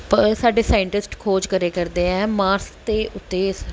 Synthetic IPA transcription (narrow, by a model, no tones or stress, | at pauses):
pəɾsaːɖeːsaːjɪɳʈɪsʈkʰoːd͡ʒkəɾeːkəɾd̪eːɛ̃ːmaːɾst̪eːʔʊt̪ːeːs